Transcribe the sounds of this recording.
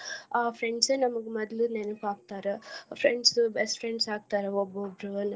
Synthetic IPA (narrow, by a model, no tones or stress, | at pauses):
aːpʰɾeɳɖseːnɐmɐɡumɐd̪lunenɐkaːɡ̚t̪aːɾɐpʰɾeɳɖsbesʈfʰɾeɳɖsaːɡ̚t̪aːɾɐobːobɾon